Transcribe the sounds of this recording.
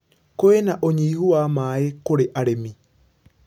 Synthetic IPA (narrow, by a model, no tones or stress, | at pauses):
koenaʔoɲiːhuamaːekoɾeʔaɾemi